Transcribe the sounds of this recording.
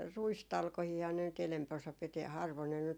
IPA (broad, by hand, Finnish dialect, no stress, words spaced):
ruistɑlkohiːhɑ ne nyt enæmp osɑ piti hɑrʋon ne nyt